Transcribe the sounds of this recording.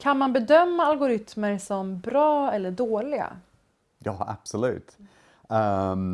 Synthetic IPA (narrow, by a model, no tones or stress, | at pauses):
kʰanmanbɛd̪œmːaalɡʊɾʏt̪məɾsɔmbɾɑːɛlːəɖoːlɪɡa̰ | jɑːa̰b̥sʊlʉ̟̰ːt̪ | ɛ